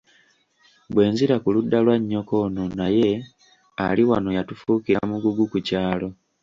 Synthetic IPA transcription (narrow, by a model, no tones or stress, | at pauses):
bwe̞ːnziɾakuludːalwaɲːo̞ko̞ːnonaje̞ | a̰liwano̞jatufuːkiɾaamuɡuɡukucaːlo̞